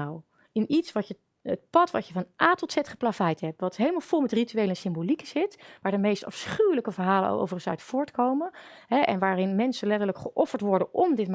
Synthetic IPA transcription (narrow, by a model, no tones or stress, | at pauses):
w | ɪnitsʋɑtə | ət̚pɑtʋɑtjəvɑnʔaːtɔlˠtsɛtχə̥plafɛjtɦɛp̚ʋɑtɦejləmalˠv̥ʊlˠmɛtrityejləɛnsɪmbolikɪsɦɪtʋaːɹdəmejstɑ̰fsχywləkəvəɹɦaːlə̰no̰ʔo̰wvərχə̃nsœ̰ɥtfʊːɹtkowmən | ɦɛʔɛ̰nʋaːrɪnmɛnsənlɛtəɹləkχəʔɔfəɹtʋɔɹdənʔɔmdɪtm